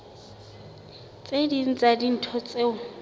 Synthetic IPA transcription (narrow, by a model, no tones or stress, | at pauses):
t͡sʼedin̩t͡sʼadin̩tʰɔt͡sʼeʊ